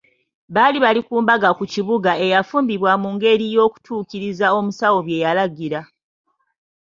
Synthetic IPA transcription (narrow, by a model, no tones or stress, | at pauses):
βaliβalikuːmbaɡakuciβuɡae̞jafuːmbiβwamuːŋɡe̞ɾijo̞ːku̥tʰuːkiɾizao̞musawo̞βje̞jalaɡiɾa